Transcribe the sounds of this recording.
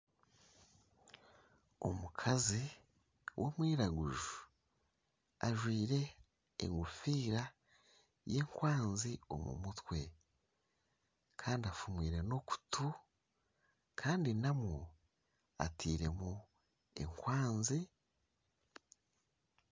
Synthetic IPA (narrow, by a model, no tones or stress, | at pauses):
o̰mukʰazi | wʔo̞mwiːɾaɡuʒu | aʒwiːɾe̞̰ː | ŋɡufiːɾa | je̞ːŋkwaːnzio̞̰mṵmutwe̞ | kʰaːndiafumwiːɾe̞no̞ku̥tʰu | kʰaːndinamo | a̰tʰiːɾe̞mu | e̞̰ŋkwaːnzi